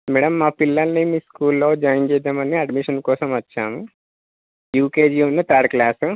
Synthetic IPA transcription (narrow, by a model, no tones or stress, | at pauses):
mɛːɽɐmːaːpilːɐlɐnimiːskuːlːoːd͡ʒajint͡ʃɛːd̪aːmɐnːiɐɖmiʂɐnkɔːsɐmɐt͡ʃːaːmu | juːkeːd͡ʒiːunːɐt̪aːɾklaːsu